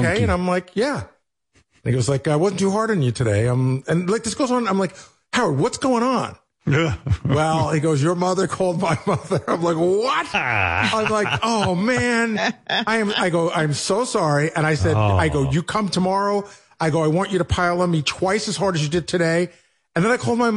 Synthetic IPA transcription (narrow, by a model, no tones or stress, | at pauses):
okʰeɪɨ̃nãɪ̃mlaɪkjæ | niɡoʊzlaɪk̚ɡ̥aɪwʌzn̩tʉɦɑɹɾɨ̃n̩jɨtʰɨɾeɪãɪ̃mɨ̃nlaɪk̚ðɪsɡ̥oʊzn̩nãɪ̃mlaɪk | haʊəwʌtsɡ̥oʊɪ̃ŋə̃n | æwɛlˠhiɡoʊzjə˞mʌðə˞kʰɔlˠd̚maɪmʌðə˞ãɪ̃mlaɪkwʌt̚ãɪ̃mlaɪkoʊmæ̃naɪɨ̃maɪɡoʊʔãɪ̃msoʊsɑɹiʔɨ̃ɾ̃aɪsɛdaɪɡoʊjɨkʰʌ̃mtʰəmɑɹoʊ | aɪɡoʊaɪwɑ̃nt͡ʃɨɾɨpʰaɪlˠʌ̃mitʰw̥aɪsɨz̥ɦɑɹɾɨzjɨdɨd̚tʰɨɾeɪ | ɨ̃nðɨ̃naɪkʰɔʊlˠd̚maɪ